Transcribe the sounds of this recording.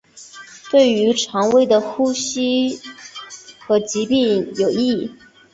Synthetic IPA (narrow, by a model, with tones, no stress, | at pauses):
t̪we˥˩ɪy˧˥ʈ͡ʂʰɑ˧˥ŋwe˥ɪd̪ə˨xu˥ɕi˥ | xɤ˧˥t͡ɕi˧˥pi˥˩ŋjo˨˩ʊi˥˩